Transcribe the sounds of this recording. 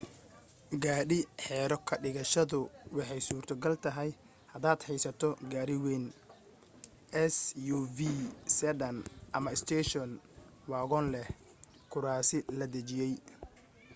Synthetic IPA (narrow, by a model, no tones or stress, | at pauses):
ɡaːɖɪħɛːɾɔkʰɐɖɪɣɐʃɐðʊwɑħɑjsuːrt̪ʰɐɡɐlt̪ʰɐɦɛj | hɐd̪aːd̪ħɛjsɐt̪ʰɔɡaːɾɪwɛːn | ʔɛsjuvisɛdɐnʔɐmɐɪst̪ʰɛːʃɔn | wɑːɣɔːnlɛh | kʰʊɾaːsɪlɐd̪ɐt͡ʃɪjɛj